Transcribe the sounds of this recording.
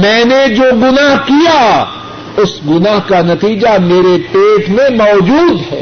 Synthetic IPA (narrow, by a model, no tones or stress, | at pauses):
mɛ̃ːned͡ʒoːɡʊnaɦkija | ʊsɡʊnaɦkanɐt̪iːd͡ʒameːɾepeːʈʰmẽmɔːd͡ʒuːd̪ɦɛː